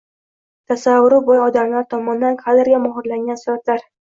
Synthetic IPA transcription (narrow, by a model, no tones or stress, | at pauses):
t̪ʰasavːʊɾʊbɒjɒd̪amlaɾt̪ʰɒmɒnd̪anqʰalɪɾɡʲamʊɦʊɾlaŋɡʲansʊɾat̪laɾ